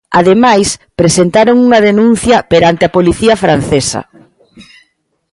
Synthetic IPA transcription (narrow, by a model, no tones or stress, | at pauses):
aðemajspɾesent̪aɾoŋuŋɐðenũn̟θjɐpeɾant̪ɪɐpoliθiɐfɾan̟θesɐ̰